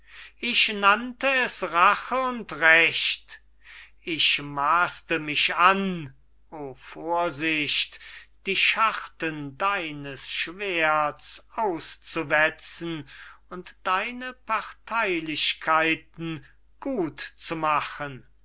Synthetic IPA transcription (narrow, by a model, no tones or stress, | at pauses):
ʔɪɕnantəɛsʁaχəʊntʁɛʃt | ʔɪçmaːstəmɪʃan | ʔoːfoːɐzɪʃtd̥iːʃaχtəndaɪnəsʃv̥eɐtsʔaʊst͡suvɛt͡sn̩ʊntd̥aɪnəpʰaʁtʰaɪlɪɕkʰaɪtn̩ | ɡ̥uːtt͡sumaχən